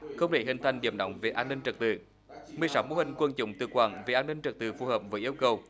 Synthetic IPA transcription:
xə˧wŋ͡mɗ̪ʰe˧˩ɦï˨˩ŋ̟t̪ʰa˧jŋɗḭ˧˩əmɗə̰˧˨wŋ͡mve˨˩ʔaː˧nːï˧ŋ̟t͡ɕə˨˩k̚t̪ɨ̰˧˩˨ | mɨ˨˩əjsa˨˦wmo̰˨˧˦hï˨˩ŋ̟kwə˧nt͡ɕʊ̰˧˥˨ŋ͡mt̪ɨ̰˧˩kwa̰ː˧˩nve˨˩ʔaː˧nːï˧ŋ̟t͡ɕɨ˨˩t̪ɨ̰˧˩fu˨˧˩həː˨˩p̚vəː˨˦jʔi˧əwkə˨˩w

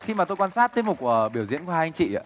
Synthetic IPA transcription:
xi˧maː˨˩t̪o˧jkwaː˧nsaː˦˥t̚t̪i˦˥p̚mʊ˨˩k̚ku˧˩əɓi˧˩əwzḭ˧˥ənkːŋt͡ɕḭ˧˨a̰ː˧˨

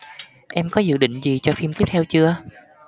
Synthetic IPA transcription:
ʔɛ˧mkɔ˨˦zɨ̰˧˨ɗḭ˧˨ŋ̟zi˨˩t͡ɕɔ˧fi˧mt̪i˦˥əp̚t̪ʰɛ˧wt͡ɕɨ˧ə

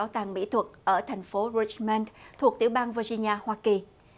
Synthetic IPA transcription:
t̪aː˨˩ŋɓḭ˧˥t̪ʰwə˨˩t̚ʔəː˧˩t̪ʰa˨˩jŋ̟fo˨˦ɹi˧t͡ɕmɛ˧nt̪ʰu˨˩ək̚t̪ḭ˧˩əwɓaː˧nva˧zi˧ɲi˧aː˧hwaː˧ki˨˩

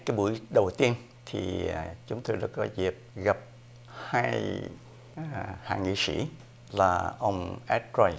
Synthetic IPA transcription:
kaː˨˦jɓu˧˩əjɗə˨˩wt̪i˧ən | t̪ʰḭ˨˩t͡ɕʊ˨˦ŋ͡mt̪o˧jɗa̰˨˧˥kkɔ˨˦zi˨˩əp̚ɣa˨˩p̚ | haː˧j | ha̰ː˧˨˩ŋḭ˧˨sḭ˧˥ | laː˨˩ʔə˧wŋ͡mʔɛ˦˥t̚za˧j

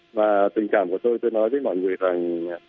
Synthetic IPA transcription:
vaː˨˩t̪ï˨˩ŋ̟kaː˧˩mku˧˩ət̪o˧jt̪o˧jnɔ˨˦jvəː˨˦jmɔ̰˧˨jŋɨ˨˩əjza˨˩ŋ

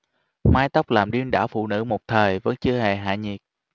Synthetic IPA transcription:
maː˧jt̪a˦˥wk͡p̚laː˨˩mɗi˧ənɗaː˧˩wfṵ˧˨nɨ̰˧˥mo˨˩k͡p̚t̪ʰəː˨˩jvə̰˧˥nt͡ɕɨ˧əhe˨˩ɦa̰ː˧˨ɲi˨˩t̚

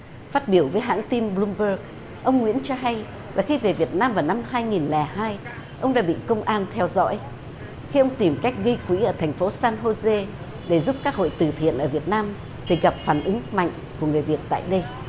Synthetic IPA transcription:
faː˦˥t̚ɓi˧˩əwvəː˨˦jɦa̰ː˧˥ŋt̪i˧mɓlu˧mɓəː˧˩k̚ | ʔə˧wŋ͡mŋwḭ˧˥ənt͡ɕɔ˧ɦa˧j | laː˨˩xi˧ve˨˩vi˨˩ət̚naː˧mvaː˨˩na˧mhaː˧jŋi˨˩nlɛ˨˩haː˧j | ʔə˧wŋ͡mɗa̰ː˧˥ɓḭ˧˨kə˧wŋ͡mʔaː˧nt̪ʰɛ˧wzɔ̰˧˥j | xi˧ʔə˧wŋ͡mt̪i˨˩mka˦˥jk̟̚ɣi˧jkwḭ˧˥ʔəː˧˩t̪ʰɛ˨˩jŋ̟fo˨˦saː˧nɦo˧ze˧ | ɗe˧˩zu˦˥p̚kaː˦˥k̚ho̰˧˨jt̪ɨ˧˩t̪ʰḭ˧˨ənʔəː˧˩vi˨˩ət̚naː˧m | t̪ʰi˨˩ɣa˨˩p̚faː˧˩nʔɨ˨˦ŋma̰˧˨jŋ̟ku˧˩əŋɨ˨˩jvi˨˩ət̚t̪a̰ː˧˨jɗə˧j

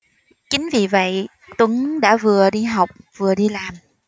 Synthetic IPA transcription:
t͡ɕï˨˦ŋ̟vi˨˩və̰˧˨j | t̪wə˨˦ŋɗa̰ː˧˥vɨ˨˩əɗi˧ɦa˨˩wk͡p̚v̥ɨ˨˩əɗi˧laː˨˩m

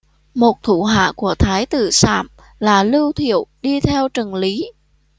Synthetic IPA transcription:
mo˨˩t̚t̪ʰu˧˩ɦa̰ː˧˨ku˧˩ət̪ʰaː˨˦jt̪ɨ̰˧˨sa̰ː˧˩m | laː˨˩lɨ˧wt̪ʰḭ˧˨əwɗi˧t̪ʰɛ˧wt͡ɕə˨˩nli˨˦

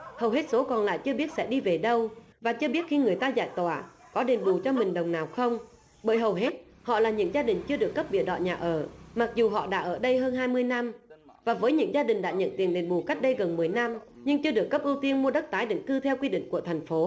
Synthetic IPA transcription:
hə˨˩wɦe˦˥t̚so˨˦kɔ˨˩nla̰ː˧˨jt͡ɕɨ˧əɓi˦˥ət̚sɛ̰˧˥ɗi˧ve˨˩ɗə˧wvaː˨˩t͡ɕɨ˧əɓi˦˥ət̚xi˧ŋɨ˨˩əjt̪aː˧za̰ː˧˨jt̪wa̰ː˧˨ | kɔ˨˦ɗe˨˩nɓu˨˩t͡ɕɔ˧mï˨˩ŋ̟ɗə˨˩wŋ͡mnaː˨˩wxə˧wŋ͡m | ɓəː˧˥jɦə˨˩wɦe˦˥t̚ | hɔ̰˧˨laː˨˩ɲɨ̰˧˥ŋzaː˧ɗï˨˩ŋ̟t͡ɕɨ˧əɗɨ˨˩əkːə˦˥p̚ɓḭ˧˨əɗɔ̰˧˨ɲaː˨˩ʔəː˧˩ma˨˩k̚zu˨˩ɦɔ̰˧˨ɗa̰ː˧˥ʔəː˧˩ɗə˧jɦəː˧nɦaː˧jmɨ˧əjna˧m | vaː˨˩vəː˨˦jɲɨ̰˧˥ŋzaː˧ɗï˨˩ŋ̟ɗa̰ː˧˥ɲə̰˧˨nt̪i˨˦ənɗe˨˩nɓu˨˩ka˦˥k̟̚ɗə˧jɣə˨˩nmɨ˨˩əjna˧mɲɨ˧ŋt͡ɕɨ˧əɗɨ˨˩əkːə˦˥p̚ʔɨ˧wt̪i˧ənmu˧əɗə˦˥k̚t̪aː˨˦jɗi˧˨˦ŋk̪ɨ˧t̪ʰɛ˧wkwi˧ɗḭ˧˨ŋ̟ku˧˩ət̪ʰa˨˩jŋ̟fo˨˦

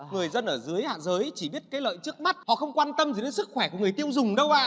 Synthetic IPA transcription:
ŋɨ˨˩əjzə˧nʔəː˧˩zɨ˨˦əjha̰ː˧˨zəː˨˦jt͡ɕi˧˩ɓi˦˥ət̚kaː˨˦jlə̰ː˧˨jt͡ɕɨ˦˥ək̚ma˦˥t̚hɔ̰˧˨xə˧wŋ͡mkwaː˧nt̪ə˧mzɗe˨˦nsɨ˦˥k̚xwɛ˧˩ku˧˩ŋɨ˨˩əjt̪i˧əwzʊ˨˩ŋ͡mɗə˧wʔaː˧˨

